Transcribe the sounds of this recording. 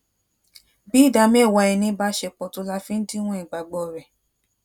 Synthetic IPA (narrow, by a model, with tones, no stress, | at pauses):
bi˨˦˨da˧mĩ˦ɛ˦˨wa˧˨ɛ˧˨nĩ˧˦ba˦ʃɛ˧k͡pɔ˧˨to˧la˧fĩ˦n̩˦di˦w̃ɔ̃˦i˨ɡ͡ba˨ɡ͡bɔ˧˨ɾɛ˨